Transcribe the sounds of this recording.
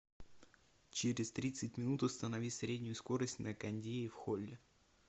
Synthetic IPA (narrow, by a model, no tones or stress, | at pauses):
t͡ɕeɾʲɪst̪ɾʲit̪sɨtʲmʲɪnut̪ʊst̪ənɐvʲisɾʲedʲnʲʊjʊsko̞ɾəsʲtʲnəkɐnʲdʲeʊfxolʲːɪ